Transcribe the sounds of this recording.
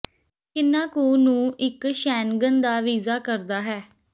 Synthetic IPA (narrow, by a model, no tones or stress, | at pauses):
kɪnːãːkuːnũːʔɪkʃɛːnɡənd̪aːʋiːzaːkəɾd̪aːɦɛː